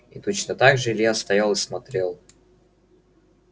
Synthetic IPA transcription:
it̪ot͡ɕnət̪aɡʐɨɪlʲjast̪ɐjalˠɨsmɐt̪ɾʲelˠ

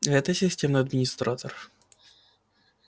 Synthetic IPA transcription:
ɦɛt̪əsʲɪsʲtʲemnɨjɐd̪mʲɪnʲɪst̪ɾat̪or

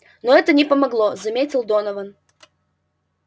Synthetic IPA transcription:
noɛt̪ənʲɪpəmɐɡlˠozɐmʲetʲɪlˠd̪onəvən

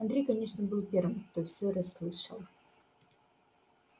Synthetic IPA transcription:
ɐnd̪ɾʲejkɐnʲe̞ʂnəbɨlˠpʲe̞rvɨmkt̪ofsʲoɾɐslˠɨʂə̰lˠ

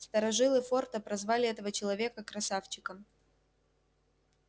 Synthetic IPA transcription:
st̪əɾɐʐɨlˠɨfo̞rt̪əpɾɐzvalʲɪɛt̪əvət͡ɕɪlˠɐvʲe̞kəkɾɐsaft͡ɕɪkəm

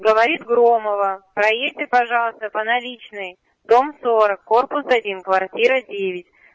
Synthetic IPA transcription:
ɡəvɐɾʲit̪ɡɾo̞məvəpɾɐjetʲɪpɐʐɑlˠəst̪əpənɐlʲit͡ɕnɨj | d̪̥o̞msoɾəkːorpʊsɐdʲinkvɐrtʲiɾədʲevʲɪtʲ

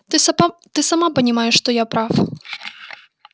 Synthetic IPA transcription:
ɨt̪ɨsamapɐnʲimajɛʂːt̪ɔjapɾaf

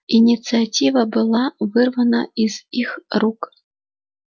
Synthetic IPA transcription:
inʲit̪sɨat͡sʲivɐbɨlˠavɨrvɐnɐizixruk

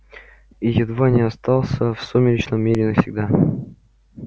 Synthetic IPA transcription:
ijɪd̪vanʲɪast̪ɑlˠsʲəfsomʲɪlʲɪt͡ɕnəmʲːeɾʲɪnəfsʲɪɡ̚d̪a

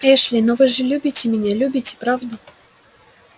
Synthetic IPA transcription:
ɛʂlʲɪnovɨʐɨlʲubʲɪtʲːɪmʲɪnʲalʲʉbʲɪtʲɪ̥pɾavd̪ʊ

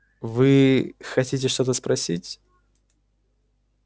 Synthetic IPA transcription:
vɨxɐtʲitʲɪʂt̪o̞t̪əspɾɐsʲitʲ

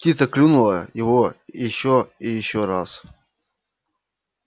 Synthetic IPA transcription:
ptʲit̪səklʲunʊlˠəjɪvojɪɕːoɪjɪɕːoɾas

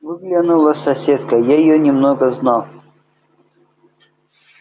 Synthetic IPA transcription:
vɨɡlʲanulˠəsɐsʲet̪kəjaɪjonʲɪmnoɡəznɑlˠ

